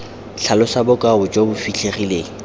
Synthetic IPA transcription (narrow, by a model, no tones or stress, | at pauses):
ɬʰalʊsabʊkʼaʊd͡ʒobʊfiɬʰeχileːŋ̩